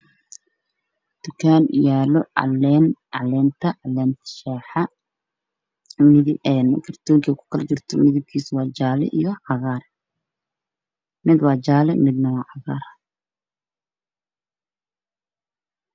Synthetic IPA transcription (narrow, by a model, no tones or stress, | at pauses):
d̪̥ʊkʰaːnɪjaːlɔɑ̰lɛːnɑlɛːnt̪ʰɐʔlɛːnt̪ʰɐ̥ʃɛːħɑ | mɪðɪɛnkʰɐrt̪ʰɔːŋkʰɐkʰʊ̥kʰɐlt͡ʃɪrt̪ʰɔmɪðɪb̚kʰiːswɑːt͡ʃaːlɛ̰ʔijɔʕɑɣaːr | mɪd̪wɑːt͡ʃaːlɛmɪd̪nɐwɑːʕɑɣa̰ːɾ